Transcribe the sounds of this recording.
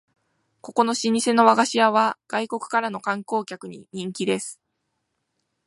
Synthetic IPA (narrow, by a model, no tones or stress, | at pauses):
ko̞ko̞no̞ɕiɲ̟ise̞no̞βaɡaɕiaβaɡ̥aiko̞kɯ̟̥kaɾano̞kãŋko̞ːkʲakɯ̟ɲ̟ḭɲ̟ĩŋkʲid̪e̞sɨ̥